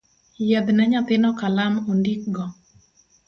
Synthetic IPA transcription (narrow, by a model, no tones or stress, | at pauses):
jɛd̪nɛɲat̪ɪnɔkalamondik̚ɡɔ